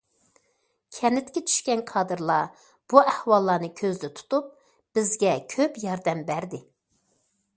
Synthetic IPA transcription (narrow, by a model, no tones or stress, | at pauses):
kʲʰɛnɪt̪kʲɛt͡ʃʰy̥ʃkʲɛnkʰɑːd̪ɨɾlˠɑ | b̥uʔæhwɑlˠːɑːnɨkʲʰøzd̪ɛt̪ʰu̥t̪up̚ | b̥ɪzɡʲɛkʲʰøpjɑɾd̪ɛmbæɾd̪ɪ